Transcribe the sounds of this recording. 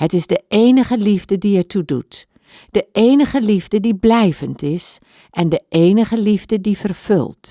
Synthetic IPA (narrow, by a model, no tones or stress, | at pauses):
hətɪsdəʔeːnəχəlivdədiɛtʰudṵt | d̥əʔeːnəχəlivdədiblɛjvəntɪs | ʔɛndəʔeːnəχəlivdədifərfø̰lˠt